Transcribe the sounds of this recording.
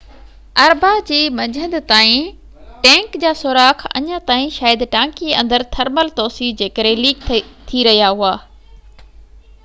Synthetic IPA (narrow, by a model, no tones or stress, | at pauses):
ɐɾbad͡ʑiːmɐd͡ʑʱə̃nd̪t̪aːĩ | ʈɛ̃ːŋkd͡ʑaːsʊɾaːxɐ̰ɲə̃t̪aːĩʃaːjəd̪ʈãːkiɐ̃nd̪əɾt̪ʰɐɾməlt̪oːsid͡ʑeːkəɾẽliːk̪ʰt̪ʰiɾɐɦijaɦuaː